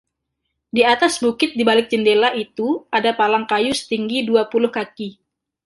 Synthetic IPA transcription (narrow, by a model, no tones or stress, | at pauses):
diat̪asbukɪt̪̚dibalɪk̚d͡ʒəndelaʔit̪uadapalaŋkajusə̥t̪iŋɡiduapulʊhkaki